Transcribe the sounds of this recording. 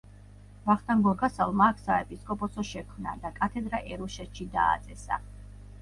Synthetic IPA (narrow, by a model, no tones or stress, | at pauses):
vaχt̪ʰaŋɡɔɾɡasalˠmaːkʰsaɛpʼiskʼɔpʼɔsɔʃɛkʰmna̰d̪akʼat̪ʰɛd̪ɾaʔɛɾuʃɛt̪ʃid̪a̰ːt̪sʼɛsa̰